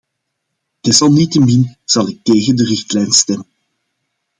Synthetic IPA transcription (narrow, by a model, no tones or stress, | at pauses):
d̥ɛsɑlˠnitəminz̥ɑlˠɪk̚teːɣəndərɪxtlɛjnstɛmən